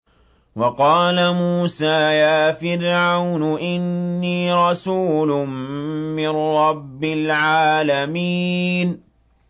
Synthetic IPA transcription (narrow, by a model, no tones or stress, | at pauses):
wɑqɑːlamuːsaːjaːfɪɾʕawnʊʔɪnːiːɾˤɑsuːlʊmmɪnɾːɑbːɪlʕaːlamiːn